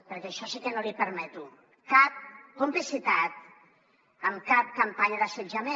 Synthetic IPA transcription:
pəɾkɛəʃɔsikənolipəɾmɛt̪u | kap̚kumplisit̪at̪̚ | əmkap̚kampaɲəðəsed͡ʒəme

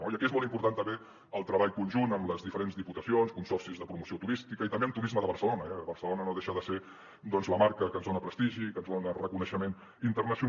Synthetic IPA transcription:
noiəkiezmɔlˠtimpuɾt̪ant̪əmbe | əlˠt̪ɾəβaʎkunʲʒunəmləzðifəɾenzðiput̪əsionskunsɔrsizðəpɾumusiot̪uɾist̪ikəit̪əmbeəmt̪uɾizməðəβəɾsəlonəɛβəɾsəlonənoðeʃəðəse | d̪ɔnzləmaɾkəkənzðonəpɾəst̪iʒikənzðonərəkunəʃəmen | int̪ərnəsiu

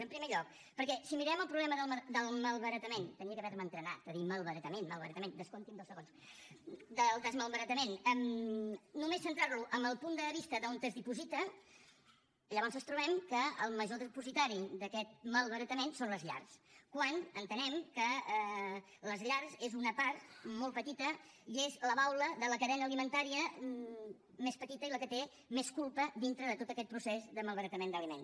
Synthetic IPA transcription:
əmpɾimeʎɔk̚ | pəɾkɛsimiɾɛməlˠpɾuβlɛməðəlˠməd̪əlˠməlˠβəɾət̪əment̪əniəkəβɛɾmənt̪ɾəna̰əðiməlˠβəɾət̪əmenməlˠβəɾət̪əmend̪əskont̪imd̪əlˠsəɣons | d̪əlˠd̪əzməlˠβəɾət̪əmenɛm | numesːənt̪ɾaɾluʔəməlˠpund̪əβist̪əðəont̪əzðipuzit̪ə | ʎəβɔnzənst̪ɾuβ̞ɛmkəəlˠməʒoðipuzit̪aɾid̪əkɛt̪̚məlˠβəɾət̪əmensonləzʎa̰rskwanənt̪ənɛmkə | ləzʎaɾzezunəpaɾt̪mɔlˠpət̪it̪ə | iezləβawləðələkəðɛnəːlimənt̪aɾiə | mespət̪it̪əiləkət̪e | meskulˠpəðint̪ɾəðət̪ot̪əkɛt̪̚pɾusezðəməlˠβəɾət̪əmend̪əlimen

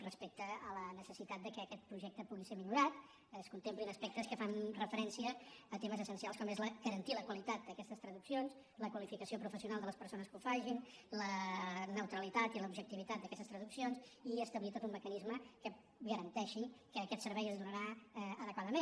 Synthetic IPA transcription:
rəspek̚t̪əːlənəsəsit̪at̪̚d̪əkɛːkɛt̪̚pɾuʒɛk̚t̪əpuɣisemiʎuɾat̪ | əskunt̪emplinəspɛk̚t̪əskəfanrəfəɾɛnsiəːt̪eməzəsənsialˠskɔmezləɣəɾənt̪iləkwəlit̪at̪̚d̪əkɛst̪əst̪ɾəðuksions | ləkwəlifikəsiopɾufəsiunalˠd̪ələspəɾsonəskufaʒinlənəwt̪ɾəlit̪at̪iləubʒək̚t̪iβit̪at̪̚d̪əkɛst̪əst̪ɾəðuksionsiəst̪əβlit̪ot̪umːəkənizməkə | ɣəɾənt̪ɛʃikəːkɛt̪səɾβɛjəzðunəɾaɛəðəkwaðəmẽn

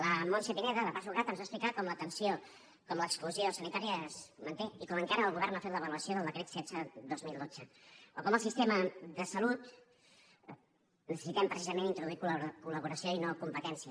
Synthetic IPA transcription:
ləmonseβinɛðələpasuɣɾat̪ənzasplikat̪̚kɔmlət̪ənsio | kɔmləːkskluziosənit̪aɾiəzmənt̪eikɔməŋkaɾəːlˠɣuβɛrnafet̪ləβəluəsioðəlˠd̪əkɾet̪sɛdd͡zəd̪ozmilˠd̪od͡zəokɔməlˠsist̪eməðəsəlut̪ | nəsəsit̪ɛmpɾəsizəmẽnint̪ɾuðuikulkuləβuɾəsioinokumpət̪ɛnsiə

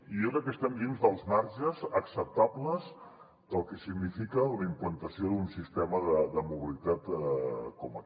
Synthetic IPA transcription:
ijokɾɛkːəst̪ɛmd̪inzðəlˠzmaɾʒəzəksəp̚t̪abləz | d̪̥əlˠkɛsiɡnifikələimplənt̪əsioðunsist̪ɛməðəðəmuβ̞ilit̪at̪kɔmə

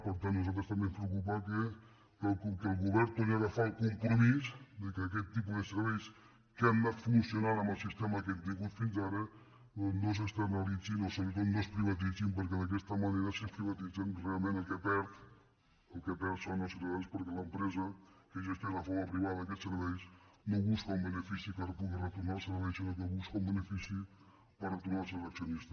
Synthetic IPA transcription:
pəɾt̪anːuzalˠt̪̬ɾəst̪əmbemspɾəukupakə | əlˠkkəlˠɣuβɛɾt̪onaðəfalˠkumpɾumisd̪əkək̬ɛt̪ːipuzðəsəɾβɛjs | kɛmnat̪funsijunanəmbəlˠsist̪ɛməðək̬ɛt̪̚d̪iɣut̪finzaɾə | nos̬əst̪ənəlid͡zinosoβɾət̪ot̪nospɾiβət̪̬id͡zimpəɾk̬ɛðək̬ɛst̪əməneɾəsəspɾiβət̪id͡zɛmrealˠmẽnəlˠkəpɛɾt̪ | əlˠkɛpɛɾsanɔst̪ɾəβɛjspəɾkeləmpɾɛzəkeʒest̪elafɔwapɾiβaðəðəkɛt̪səɾβɛjsnoβuskumbənəfisikaɾpuɣirət̪unalˠsəɾβɛjsinokoβuskoumbənefisi | ərət̪uɾnasələksjonist̪ə

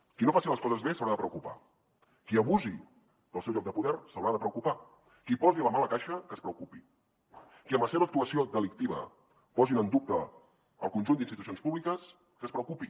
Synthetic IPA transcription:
kinofasiləskɔzəzβesəwɾaðəpɾəwkupa̰ | kiəβuzi | d̪əlˠsɛwʎɔkɡ̚d̪əpuðɛrsəwɾaðəpɾəwkupa | kipɔziləmaləkaʃəkəspɾəukupi | kiəmləsɛβəːk̚t̪uəsiod̪əlik̚t̪iβ̞ə̰ | pɔzinənd̪up̚t̪ə | əlˠkunʒund̪inst̪it̪usionspuβlikəs | kəspɾəukupi

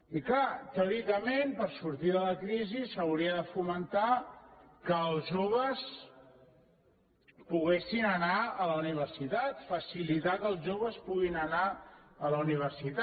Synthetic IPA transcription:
iklat̪əuɾikəmenpəɾsuɾt̪iðələkɾizisəwɾiəðəfumənt̪a | kəːlˠʒoβ̞əs | puɣesinənaələuniβ̞əɾsit̪at̪fəsilit̪akəlˠʒoβəspuɣinənaələuniβ̞əɾsit̪a

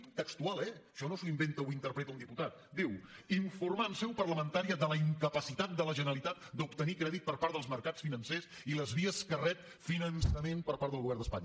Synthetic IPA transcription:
t̪əkst̪ualˠɛʃɔnosuimbent̪əuint̪əɾpɾɛt̪əuniput̪at̪̚d̪iwiɱfurmaənsɛwpərləmənt̪aɾiəðələiŋkəpəsit̪at̪̚d̪ələʒənəlit̪at̪̚d̪upt̪ənikɾɛðit̪̚pəɾpaɾt̪əlˠzməɾkat͡sfinənses | iləzβiəskərɛp̚ | finənsəmenpəɾpaɾt̪əlˠɣuβɛrnd̪əspa̰ɲ

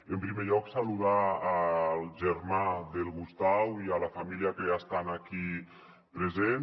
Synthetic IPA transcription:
empɾimeʎɔksaluðaː | lˠʒeɾmaðelˠɣust̪awialafamiliakeast̪anaki | pɾezen

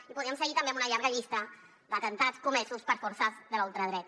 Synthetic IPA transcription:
ipuðiəmsəɣit̪əmbeamunəʎaɾɣəʎist̪ə | d̪ət̪ənt̪at͡skumɛsuspəɾfuɾsazðəlalˠt̪ɾəðɾɛt̪

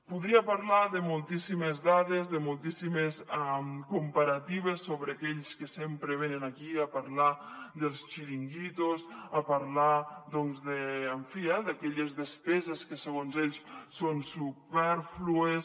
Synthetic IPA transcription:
puðɾiapaɾlaðemulˠt̪isimezðaðezðemulˠt̪isimesmkumpaɾat̪iβ̞esːoβɾeakɛʎskesempɾeβenenakiapaɾlad̪elˠst͡ʃiɾiŋɡit̪osapaɾlaðɔnzðeːɱfiaðakɛʎezðespɛzeskeseɣ̞onzɛʎssonsupɛɾflues

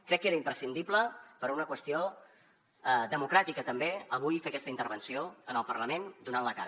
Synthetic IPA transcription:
kɾɛkːeɾəimpɾəsind̪ipləpəɾunəkwəst̪io | əd̪əmukɾat̪ikət̪əmbeəβ̞ujfeəkɛst̪əint̪əɾβənsioənəlˠpərləmend̪unanləka̰ɾ

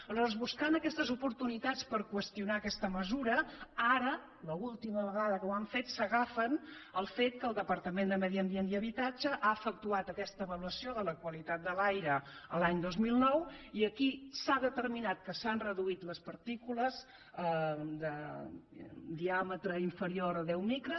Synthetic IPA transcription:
əlɔɾzβuskanəkɛst̪əzupuɾt̪unit̪at͡spəɾkwəst̪iunaːkɛst̪əməzuɾəaɾə | ləulˠt̪iməβəɣaðəkəwaɱfet̪səɣafənəlˠfet̪̚kəlˠd̪əpəɾt̪əmend̪əməðiənd̪iənd̪iəβit̪ad͡ʒəʔaəfək̚t̪uat̪əkɛst̪əβəluəsioðələkwəlit̪at̪̚d̪əlajɾəəlaɲd̪ozmilˠnɔwiəkisaðət̪əɾminat̪̚kəsanrəðuit̪ləspəɾt̪ikuləz | əd̪ə | d̪iamət̪ɾəiɱfəɾioɾəðɛwmikɾə

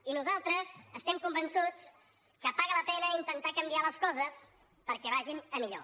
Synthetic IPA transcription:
inuzalˠt̪ɾəzəst̪ɛmkumbənsut͡s | kəpaɣələpɛnəint̪ənt̪akəmbialəskɔzəs | pəɾkɛβ̞aʒinəmiʎo̰

